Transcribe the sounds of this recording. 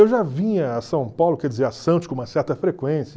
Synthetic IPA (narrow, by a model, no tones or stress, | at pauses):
ewʒavĩɲɐːsɐ̃w̃pawlʊkɛɾd͡ʒɪzeɾasɐ̃t͡ʃɪkõũmɐsɛɾt̪ɐfɾekwẽsiɐ